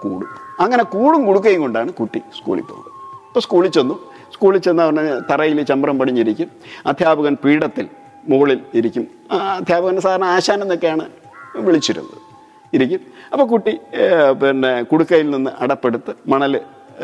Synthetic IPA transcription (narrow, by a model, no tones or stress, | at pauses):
kuːɽṵmɐŋːɐne̞kuːɽumkuɽuk̬ːɐjiŋko̞ɳɖaːɳɨkuʈːiskṵːɭḭpːoːɣnɐɐpːoskuːɭit͡ɕːo̞nːu | skuːɭit͡ɕːonːɐʋɐnːet̪ɐrɐjilt͡ɕɐmbɐrɐmpɐʈʰiɲːiɾikʲːumɐd̪ʱjaːbɐɣɐnpiːɽɐt̪ːil | muɭiliɾikʲːum | ɐd̪ʱjaːbɐɣɐns̬aːd̪ɐɾɐɳɐaːɕaːnɐemnːokːejaːɳɨ | ʋiɭit͡ɕːiɾṵnːɐ̰ðɨ | iɾik̬ʲːumɐpːokuʈːipɐnːekuɽukːɐjilninːɨʔɐɽɐpːe̞ɽut̪ːɨmɐɳɐlɨ